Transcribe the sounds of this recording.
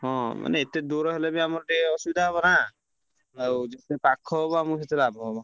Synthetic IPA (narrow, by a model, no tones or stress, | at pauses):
ɦɔ̃ma̰neet̪ed̪uɾɔɦelebiamɔɾʈiɔsubid̪ʱaɦeβɔna | awd͡ʒet̪epakʰɔbɔamuset̪ʰilabʱɔbɔ